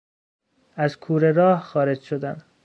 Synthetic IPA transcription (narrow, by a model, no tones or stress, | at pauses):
æzkʰuːɾe̞ɾɒːhxɒːɾe̞d͡ʒʃod̪ænd̪̥